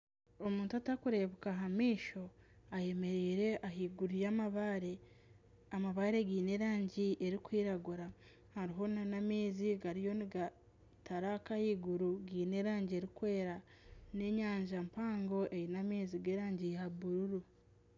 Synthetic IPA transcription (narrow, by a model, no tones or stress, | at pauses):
o̞muːntuatakuɾe̞βukaɦamiːʃo̞aje̞me̞ɾiːɾe̞ʔaɦiːɡuɾujamaβaɾe̞ | amaβaɾe̞ɡiːne̞ɾaːɲɟiʔe̞ɾikwiːɾaɡuɾa | haɾiɦo̞nanamiːziɡaɾijo̞niɡa | taɾakahiːɡuɾuɡiːne̞ɾaːɲɟie̞ɾikwe̞ːɾa | ne̞ɲaːɲʒampaːŋɡo̞ʔe̞jinameːziɡeːɾaːɲɟijaβuɾuɾu